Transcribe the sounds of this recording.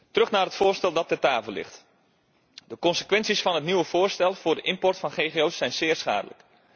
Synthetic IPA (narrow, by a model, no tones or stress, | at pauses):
tərɵχnaːrɦətfʊːɹstɛlˠdɑtətaːvəlɪ̰χt | dəkɔnsəkʋɛnsisfɑnɦətniwəv̥ʊːɹstɛlˠv̥ʊːɹdəʔɪmpɔrtfɑnχejχeowsːɛjnz̥ɪːɹsχa̰ːdə̰lə̰k